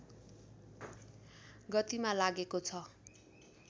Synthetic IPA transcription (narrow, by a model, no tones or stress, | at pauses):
ɡʌt̪imalaɡekot͡sʰʌ